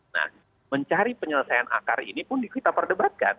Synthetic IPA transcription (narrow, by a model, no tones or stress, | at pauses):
na̰h | məɲt͡ʃaɾipəɲələsajanʔa̰ka̰rḭnipʊndikɾit̪apərdəbat̪̚ka̰n